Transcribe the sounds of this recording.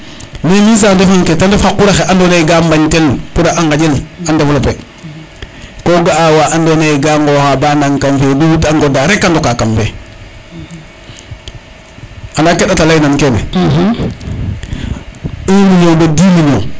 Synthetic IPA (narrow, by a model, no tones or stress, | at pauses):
memins̬andofanketandafakuɾaxeʔandoneɡambaɲtelkudaʔaŋɡad͡ʒelandaflape | koɡaawaʔandoneɡaŋɡoxabanaŋkamfeduutaŋɡodaɾekːandɔkakamfe | anakeɗatalajnankenḛ | iniɲobedimiɲo̰